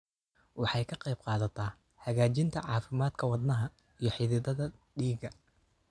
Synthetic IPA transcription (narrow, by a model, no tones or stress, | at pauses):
wɑħɑjkʰɐqɑjb̚qɑːðɐt̪ʰɐː | hɐɣaːt͡ʃɪnt̪ʰɐʕɑːfɪmaːd̪kʰɐwɑd̪nɐɦɐ | ijɞħɪðɪðɐðɐɖiːɡɐ